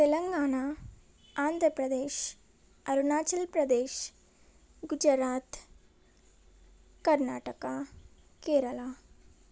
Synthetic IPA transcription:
t̪elɐŋɡaːɳa | aːnd̪ʱɾəpɾɐd̪eːʃ | ɐɾunaːt͡ʃɐlpɾɐd̪eːʃ | ɡud͡ʒɾaːt̪ | kɐɾnaːʈɐka | keːɾɐla

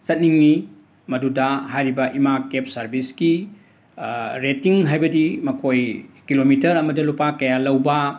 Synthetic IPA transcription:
sɐt̚niŋni | mɐdudɐɦajɾibɐʔimakep̚sɐɾbiski | ɾetiŋɦajbɐdimɐkʰojkilomitɐɾɐmɐdɐlupakɐjalɐwbɐ

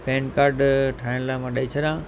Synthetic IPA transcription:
pẽːnkaːɾɖʈʰaːɪɽ̃laːmãɗɐit͡ɕʰɐɗãː

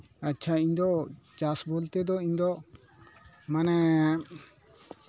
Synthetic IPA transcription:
aːt͡ʃʰaiɲd̪ɔt͡ʃasbolt̪ɛd̪ɔiɲd̪ɔ | manɛ

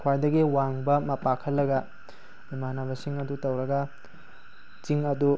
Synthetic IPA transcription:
kʰwajdɐɡiwaŋbɐmɐpakʰɐlːɐɡɐ | bimanabɐsiŋɐdutɐwɾɐɡɐ | t͡ʃiŋɐdu

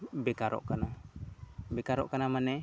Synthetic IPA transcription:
bɛkaɾɔ̰ʔkana | bɛkaɾɔ̰ʔkanamanɛ

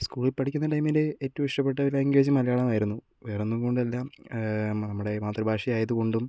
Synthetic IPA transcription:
skuːɭilpɐʈʰikʲːunːɐʈɐjmileeːtːɐʋɐmiʂʈɐp̬ːe̞ʈːɐʋilaːŋɡeːd͡ʑɐmːɐlɐjaːɭɐmɐjɾunːu | ʋeːrenːuko̞ɳɖɨɐlːaːm | nɐmːuɽe̞maːt̪rɐbʱaːʂijaːjɐðuko̞ɳɖum

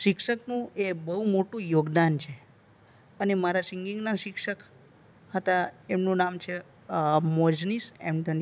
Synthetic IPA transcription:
ʃɪkʃəknũebəɦumoʈũjoɡd̪ant͡ʃʰe | ənemaɾasiŋɡiŋɡnaʃɪkʃək | ɦət̪aemnũnamt͡ʃʰe | mɔd͡ʒnisɛ̰mʈ̪ən

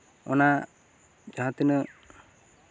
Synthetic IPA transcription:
ɔ̰na | d͡ʒaɦãt̪inə

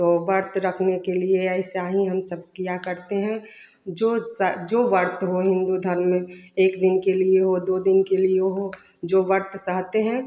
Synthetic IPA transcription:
t̪oʋɐɾt̪ɾəkʰnekelieɛɪseaːɦĩɦɐmsəb̚ʱkijakɐɾt̪eɦɛ̃ | d͡ʒoːsd͡ʒoːʋəɾt̪ɦoɦɪ̃nd̪ud̪ʱəɾmeːkd̪ɪnkelieɦod̪oːd̪ɪnkelieɦo | d͡ʒoːʋəɾt̪səɦt̪eɦɛ̃

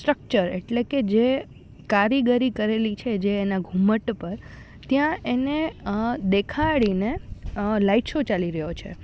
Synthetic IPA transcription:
sʈɾək̚t͡ʃəɾḛʈleked͡ʒe | kaɾiɡəɾikəɾelit͡ʃʰed͡ʒeːnaɡʱuməʈpəɾ | t̪jãened̪ekʰaɽinelaiʈʃot͡ʃaliɾəɦjot͡ʃʰḛ

